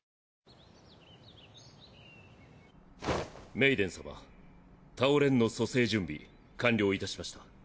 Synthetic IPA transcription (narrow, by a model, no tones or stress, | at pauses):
me̞id̪ẽ̞ɰ̃saβa̰ | t̪aoɾẽ̞nːo̞so̞se̞ːʑɨ̃mbʲḭ | kãnʲɾʲo̞ːit̪aɕimaɕi̥t̪ḁ